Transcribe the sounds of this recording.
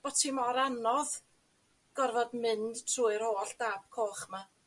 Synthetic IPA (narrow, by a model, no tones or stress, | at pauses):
b̥ɔtʰimɔɾanɔð | ɡ̥ɔrvɔdmɪnd̥tʰruːɨɾhoːɬd̥aːb̥̚kʰoːχma